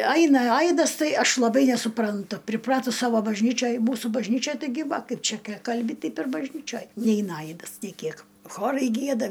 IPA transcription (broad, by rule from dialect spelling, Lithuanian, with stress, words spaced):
ˈɐɪnɐ ˈɐɪdɐs ˈtɐɪ ˈɐʃ lˠɐˈbɐɪ nʲɛsʊprɐnˈtʊ pʲrʲɪˈprɑːtʊs ˈsɑːʋoː bɐʒʲˈnʲiːt͡ʃʲoːj ˈmuːsʊ bɐʒʲˈnʲiːt͡ʃʲoːj tɐɪˈɡʲɪ ˈʋɐ ˈkɐɪp ˈt͡ʃʲɛ kʲɪ ˈkɐlʲbʲɪ ˈtʲɛɪp ɪr bɐʒʲˈnʲiːt͡ʃʲoːj ˈnʲɛɪnɐ ˈɐɪdɐs nʲeː ˈkʲiɛk ˈxoːrɐɪ ˈɡʲiɛdɐ